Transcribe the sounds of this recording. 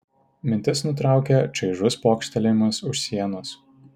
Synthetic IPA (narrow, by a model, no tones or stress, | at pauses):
mʲɪnʲt̪ʲɪsnʊt̪ɾɑˑʊkʲɛt͡ʃʲɐɪʒʊspoːkʃʲt̪ʲɛlʲɪmʊsʊʃsʲiɛnʊs